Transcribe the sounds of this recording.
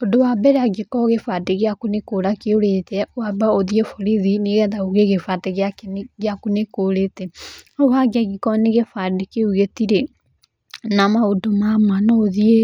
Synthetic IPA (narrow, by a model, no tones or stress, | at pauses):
odowabɛɾaɡekɔɣefateɣeakonekoɾakeoɾetɛwabaoðiefoɾiðineɣɛðauɣeɣefateɣeakenɣjakonekoɾetɛɔwaɡaɣikɔneɣefadekeuɣetiɾe | namaodomamwanɔoðie